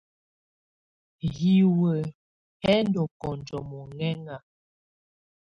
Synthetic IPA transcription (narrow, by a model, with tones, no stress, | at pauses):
ɣi˨wə˨ | hɛ˦n˦dɔ˨kɔ˨nd͡ʒɔ˨mɔ˨ŋɛ˦ŋa˨